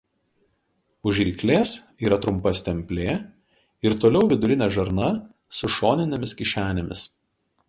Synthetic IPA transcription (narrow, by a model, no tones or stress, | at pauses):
ʊʒʲɾʲiːklʲeːs | iːɾɐt̪ɾʊmpɐsʲt̪ʲɛmʲpʲlʲeː | ɪɾt̪oːlʲɛʊʋʲɪd̪ʊɾʲɪnʲɛʒɐɾnɐ | sʊʃoːnʲɪnʲɛmʲɪskʲɪʃʲæːnʲemʲɪs